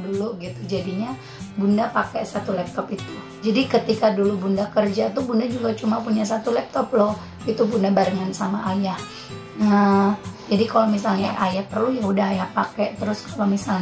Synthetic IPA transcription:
duluɡit̪ud͡ʒadiɲa | bundapakɛsat̪ulɛp̚t̪ɔpit̪u̥ | d͡ʒadikət̪ikadulubundakərd͡ʒat̪ubundad͡ʒuɡat͡ʃumapuɲas̬at̪ulɛp̚t̪ɔplɔh | it̪up̬undabaɾəŋansamaʔːjah | əd͡ʒadikalomis̬alɲaʔajahpərlujaudaɦajahpakɛʔt̪əɾʊskalomisal

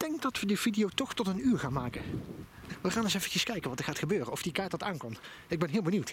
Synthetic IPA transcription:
d̥ɛŋk̚dɑtʋədəv̥idijowtɔχtɔtənyːɹχaːnmaːkə | ʋəχaːnɪsejfvəcəskɛjkənʋɑtəɹχaːtχəbøːrənɔfdikaːɹtɑtaːnkɔn | ɪɡ̚bɛnɦɪːlˠbəniwt

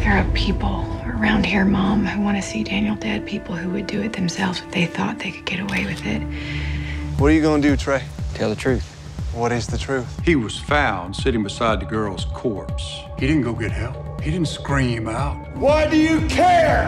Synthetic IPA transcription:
ðə˞əpʰipl̩ˠə˞ãʊ̃nd̚hiɹmɑ̃mhuwɑ̃ñɨsidæ̃njl̩ˠdæd̚pʰipl̩ˠhuwɨdɨɨt̪̚ðɨ̃msɛlˠvzɨtðeɪθɔ̰t̪̚ðeɪkʰɨd̚ɡ̥ɛɾəweɪwɨðɪ̰t̚ | wʌɾəjɨɡoʊ̃ŋdɨtʰɹ̥eɪtʰɛlˠðɨtʰɹ̥ʉθ | wʌɾɪzðɨtʰɹ̥ʉθhiwʌz̥fãʊ̃nd̥sɪɾɪ̃ŋbɨsaɪd̪̚ðɨɡɜ˞lˠz̥kʰɔɹps | hidɪdⁿn̩ɡ̥oʊɡɛɾ̚hɛlˠphidɪdⁿn̩tskɹĩmaʊt̚waɪdɨjɨkʰɛɹ

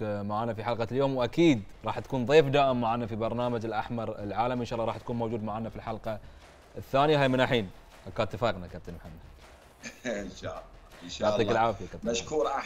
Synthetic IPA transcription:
maʕaːnafiħalqɑljoːmwʔakiːd̪ɾˤɑːħt̪ḁkuːnðˤeːfd̪aːʔɪmːaʕaːnafibɑɾˤnaːmad͡ʒɪlʔa̰ħmɑɾˤɪ̰lʕaːlamʔənʃɑːlːɑɾˤɑːħt̪ḁkuːnmowd͡ʒuːd̪maʕaːnafilħalqɑ | ʔəθːaːnɪjaɦaːjmɪnʔaħiːn | ʔakaːt̪ːɪfɑːqnakabt̪anmħanːa | nʃalːɑaʕˤiːkɪlʕaːfjakat̪maʃkuːɾʔa

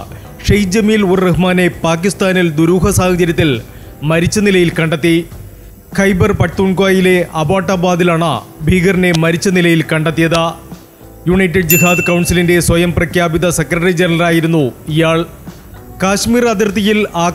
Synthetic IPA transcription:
ʂejd͡ʑɐmiːluɾreɦɨmaːne̞paːkist̪aːnild̪uɾuːɦɐsaːhɐd͡ʑɐɾjɐt̪̬ːil | mɐɾit͡ɕːɐnilɐjilkɐɳɖɐt̪ːi | kʰɐjbɐrpɐʈt̪uɳkwaːjile̞ʔɐbaːʈːɐbaːd̪ilaːɳɐ̰ | bʱiːɡɐrne̞mɐɾit͡ɕːɐnilɐjilkɐɳɖɐt̪ːijɐðɨ | juɳɐjtːɐɖ̚d͡ʑiɦaːd̪ɨkɐwɳsilinde̞swɐjɐmprɐkʰjaːbid̪ɐsekrɐʈɐrɾid͡ʑenɐrlɐraːjiɾunːuijaːɭ | kaːɕmiːrɐd̪irt̪ijilaː

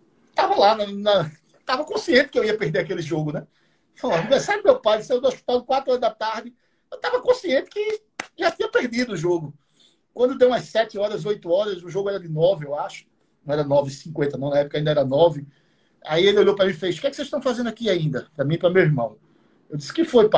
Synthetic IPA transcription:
t̪avɐlanɐnɐ | t̪avɐkõsiẽnt̪ɪ̥kɪewiɐpehd̪eɾakelɪʒoɡʊnɛ | falãɛsabɪmewpajsed̪oasʃpi̥t̪alˠd̪ɪkwat̪ɾʊɔɾɐzd̪ɐt̪aɾd̪ɪ | ewt̪avɐkõsiẽnt̪ɪ̥kɪ | ʒat̪ĩɲɐpeɾd̪id̪ʊːʒoɡʊ | kwɐ̃d̪ʊd̪ewũɐssɛt̪ɪɔɾɐzojt̪ʊɔɾɐzʊʒoɡʊɛɾɐd̪ɪnɔvɪewaʃʊ̥ | nɐ̃w̃ɛɾɐnɔvɪsĩkwẽnt̪ɐnɐ̃w̃nɐɛpʊkaĩd̪ɐɛɾɐnɔvɪ | aielɪoʎowpɾɐmĩfejʃʊ̥kɛkɪ̥sezʃt̪ɐ̃w̃fazẽnd̪ʊakiaĩnd̪ɐpɾɐmĩpɾɐmewiɦmɐ̃w̃ | ewd̪i̥sɪ̥kɪfojpa

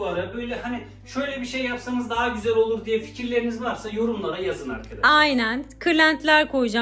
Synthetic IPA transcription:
aɾabøjlʲɛhani | ʃø̞jlʲɛbiʃejːapsanɯzd̪aɦaɟyzælʲo̞lˠuɾd̪ijɛfi̥cʰiɾlʲe̞ɾinizvaɾsajo̞ɾumlˠaɾajazɯna̰ɾkʰad̪aajnænkʰɯlʲænt̪lʲæɾkʰo̞jud͡ʒa

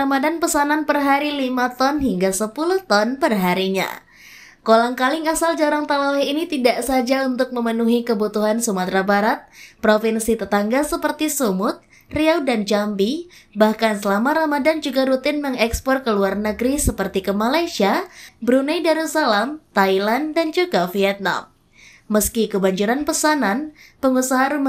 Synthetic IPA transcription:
amadanpəsananpərɦaɾilimat̪ɔnɦiŋɡasəpuluht̪ɔnpərɦaɾiɲa̰ | kolaŋkalɪŋasald͡ʒaɾaŋt̪alawinit̪idaʔsad͡ʒaunt̪ʊk̚məmənuɦikəbut̪uɦansumat̪ɾabaɾat̪̚pɾofinsit̪ət̪aŋɡasəpərt̪isumʊt̪̚ | riawdand͡ʒambibahkansəlamaɾamadand͡ʒuɡaɾut̪ɪnməŋɛkspɔrkəluarnəɡɾisəpərt̪ikəmalajsiabɾunajdaɾusalamt̪ailandand͡ʒuɡafiɛt̪̚na̰mː | əskikəbaɲd͡ʒuɾanpəsananpəŋusaɦaɾum

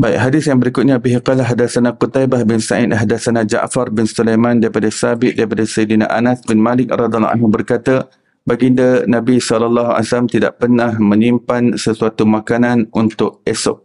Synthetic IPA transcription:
baiʔɦadɪsjaŋbəɾikʊt̪̚ɲabiɦiqalaɦadasanakut̪ajbahbɪnsaʔɪ̰t̪̚ɦadasanad͡ʒa̰ʔfarbɪnsulajmãndaɾipadasabɪʔ̪̚daɾipadasejdina̰ʔanasbɪnmalɪk̚rɑd̪alʔa̰nɦubərkat̪ə | baɡindənãbisɔlɔlːaɦua̰jsalamt̪ida̰ʔpərnahmə̃nimpansəsuat̪umakananunt̪ʊk̚ɛsɔ̰k̚

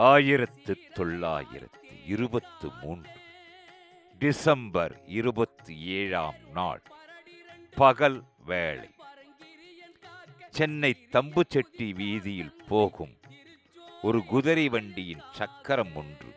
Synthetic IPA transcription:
aːjɪɾɐt̪ːɯt̪ːɔɭːa̰ːjɪ̰ɾɐ̰t̪ːɯ̰ɪɾɯbɐt̪ːɯmuːndrɯ | ɖɪsɐmbɐɾɪɾɯbɐt̪ːɯeːɻa̰ːmna̰ːɭ | pɐɣɐl | ʋeːɭɐ̰ɪ | t͡ʃɛnːɐɪt̪ːɐmbɯt͡ʃːɛʈːiʋiːðɪjɪlpoːɣɯm | ɔɾɯɡʊðɐɾiʋɐɳɖɪjɪnt͡ʃɐkːɐɾɐmʊndrɯ̰

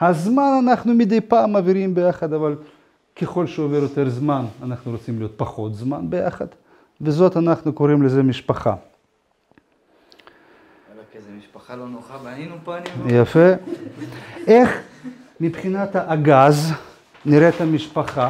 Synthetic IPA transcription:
hazmananaχnumid̪ejpaːmaviɾimbe̞jaχad̪aval | keχo̞lʃeoveɾjot̪e̞ɾzmananaχnuɾot͡simlijo̞t̪̚paχo̞t̪zmanbeja̰χa̰d̪ | vezo̞t̪anaχnukoʁimleze̞miʃpaχa̰ | alanjafe | ʔe̞χ | mipχinat̪haʔaɡaz | niɾet̪hamiʃpaχa

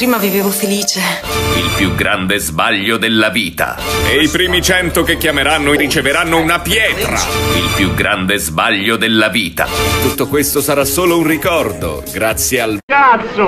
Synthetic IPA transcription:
pɾiːmaviveːvofeliːt͡ʃe | ilpjuɡɾʔand̪ezbaʎːod̪elːaviːt̪a̰eipɾiːmit͡ʃɛnt̪okekːjameɾanːoɾit͡ʃeveɾanːounapjɛːt̪ɾa̰ilpjuɡɾʔand̪ezbaʎːod̪elːaviːt̪a̰t̪ut̪ːokwest̪osaɾasːoːlounrikɔrd̪o̰ɡɾat̪sːjealkat̪sːo

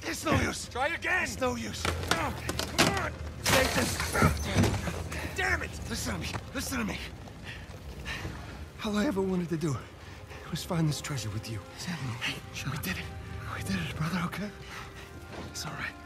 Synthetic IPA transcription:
ɪtsnoʊjʉsʰɹ̥aɪɡɛ̃nsnoʊjʉso | seɪtɨ̃n | d̥ɛɹmɨ̃lɪsnəmilɪsnəmi | haʊaɪɛvə˞wɑ̃ñtɨd̚tɨdə | huz̥fãɪ̃nðɪstʰɹ̥ɛʒə˞wɪðjɨ | sɛ | widɪɾɪtwidɪɾt̚b̥ɹʌðə˞hoʊkʰe | ɪtsɔlˠɹat̚

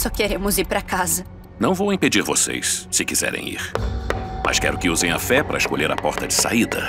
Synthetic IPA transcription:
sɔkeɾẽmʊziɾpɾɐkazɐ | nɐ̃w̃vowĩped͡ʒiɾvosḛjsːɪkizɛ̰ɾḛ̃j̃ḭɾ | mɐ̰skɛɾʊkɪuzẽj̃ɐfɛpaɾɐɪskoʎeɾɐpɔɾt̪ɐd͡ʒɪsa̰id̪ɐ̰

